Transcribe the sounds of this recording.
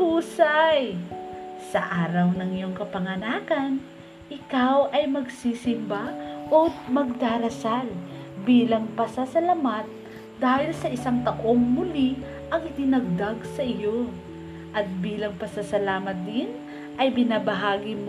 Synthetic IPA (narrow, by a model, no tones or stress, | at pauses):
uːsaj | sɐʔaːɾɐwnɐŋɪjo̞ŋkɐpɐŋɐnaːkɐn | ʔɪkawʔɐjmɐɡsiːsɪmbaʔomɐɡ̚d̪aːɾɐsalbiːlɐŋpɐsasɐlamat̪̚ | d̪aːhɪlsɐʔɪsaŋt̪ɐʔo̞ŋmʊli | ʔɐŋɪt̪ɪnɐɡ̚d̪aɡsɐʔɪjo̞ | ʔɐt̪̚biːlɐŋpɐsasɐlaːmɐt̪̚d̪ɪn | ʔɐjbɪnaːbɐɦaːɡɪm